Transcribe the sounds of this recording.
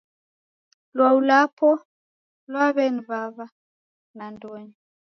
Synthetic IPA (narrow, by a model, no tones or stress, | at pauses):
lwaulapʰɔ | lwaβɛniβaβa | nandɔɲi